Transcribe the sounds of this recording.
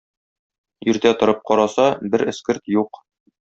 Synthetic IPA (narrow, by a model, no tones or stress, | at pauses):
jɵ̆ɾt̪æt̪ŏɾɤp̚qɒɾɑsɑbɘɾɘ̆skɘɾt̪juq